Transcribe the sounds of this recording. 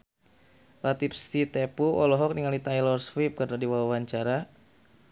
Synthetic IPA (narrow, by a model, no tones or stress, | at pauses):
lat̪ipsit̪epuɔlɔɦɔk̚niŋalit̪ajlɔrswip̚karnadiwawawaɲt͡ʃaɾa